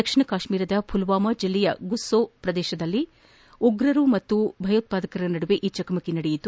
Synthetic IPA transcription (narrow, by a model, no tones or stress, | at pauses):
ɐkʂiɳɐkaːʃmiːɾɐd̪ɐpʰulʋaːmɐd͡ʒilːɛjɐɡusːoːpɾɐd̪ɛːʃɐd̪ɐlːi | uɡɾɐɾumɐt̪ːubʱɐjɐt̪̚paːd̪ɐkɐɾɐnɐɽuʋeʔiːt͡ʃɐkɐmɐkinɐɽejit̪u